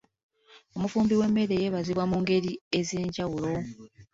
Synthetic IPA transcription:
o̞mufuːmbiwe̞mːe̞ɾe̞je̞ːβaziβwamuŋɡe̞ɾie̞ze̞ːɲɟawulo̞

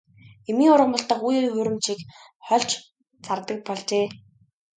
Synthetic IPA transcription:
emiːʊɾə̆mʊ̆ɮt̪ə̆χujeːɵɾɘ̆mt͡ɕik | χɔɮt͡ɕ | t͡sʰart̪ə̆k̚pɔɮt͡ɕeː

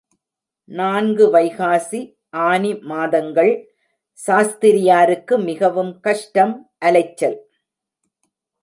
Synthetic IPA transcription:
naːnɡɯʋɐɪɣaːsi | ʔaːnimaːðɐŋɡɐɭ | saːst̪ɪɾɪjaːɾɯkːɯmɪɣɐʋɯmkɐʂʈɐmʔɐlɐɪt͡ʃːɐl

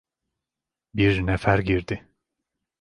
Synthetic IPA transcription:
biɾnefæɾɟiɾd̪ɪ

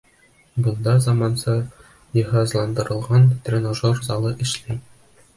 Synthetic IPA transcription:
bɤ̆nˠd̪ɑzɑmɑnsɤ | jɤ̆ɦɑzlˠɑnd̪ɤ̆ɾɤ̆lˠʁɑnt̪rʲenoʒorzɑlˠɤʔɘ̆ʃlæj

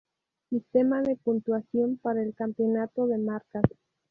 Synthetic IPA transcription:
sist̪emaðe̞punt̪wasjo̞mpaɾaelkampo̞nat̪o̞ðe̞maɾkas

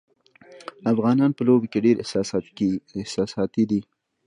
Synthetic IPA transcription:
afɣɑnɑnpəlobekeɖeɾɪ | ɪhsɑsɑt̪id̪i

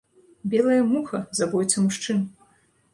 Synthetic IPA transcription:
bʲɛlˠɐjɐmuxɐzabɔjʲt̪sʲɐmuʂt͡ʂɨn

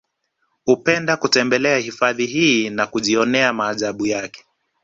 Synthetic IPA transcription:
hupɛndakutɛmbɛlɛahifaðiɦiːnakuʄiɔnɛamaːʄaɓujakɛ̥

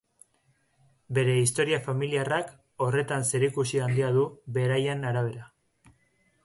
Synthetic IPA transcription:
be̞ɾe̞ist̪o̞ɾiafamiliarak | o̞re̞t̪anse̞ɾikusiand̪iaðuβe̞ɾajanaɾaβ̞e̞ɾa

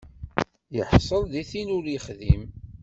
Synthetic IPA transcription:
jəħsˤəlðiθinʊɾjəχðim

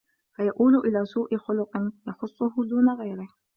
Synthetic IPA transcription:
fajaʔuːlʊʔɪlaːsuːʔɪxʊlʊqʼɪnjaxʊsˤːʊhʊd̪uːnaɣajɾɪh

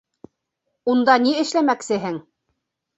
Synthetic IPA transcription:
und̪ɑniɘ̆ʃlæmæksɘ̆ɦɘŋ

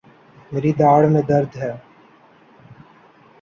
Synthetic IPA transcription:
meːɾid̪aːɽmẽd̪əɾd̪ʱɦɛː

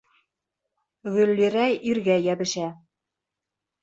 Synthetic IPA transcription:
ɣɵ̆lːiɾæjiɾɡæjæβɘ̆ʃæ

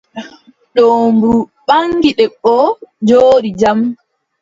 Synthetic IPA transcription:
ɗoːmbuɓaŋɡiɗɛɓɔd͡ʒoːɾid͡ʒam

